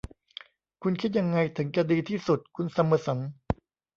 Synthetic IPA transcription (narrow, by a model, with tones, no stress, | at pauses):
kʰu˧nkʰi˥t̪̚ja˧ŋːa˧jt̪ʰɯ˩˦ŋt͡ɕa˧diː˧t̪ʰiː˥˩su˨˩t̪̚kʰu˧nsa˧mːɯ˧˩so˩˦n